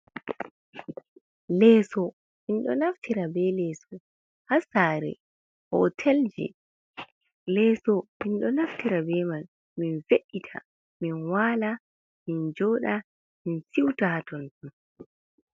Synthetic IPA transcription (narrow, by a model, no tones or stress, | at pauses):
lɛːsɔ | hinɗɔ̰naftʰiɾabɛlɛsɔ | hasaɾɛ̰ | hɔ̰tʰɛld͡ʒɛ̰ | lɛːsɔhinɗɔnaftiɾabɛman | minveɗːitʰa̰ | minwaːla | mind͡ʒɔːɗa | minsiwtatɔntun